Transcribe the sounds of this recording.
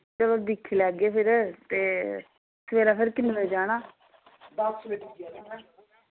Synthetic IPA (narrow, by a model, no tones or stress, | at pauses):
d͡ʒəlod̪ɪkʰːeːlɛːɡeːpʰɪɾt̪eː | sʋeːlaːpʰɪɾkɪnʋeːd͡ʒaːɽaː | d̪əsʋeʈː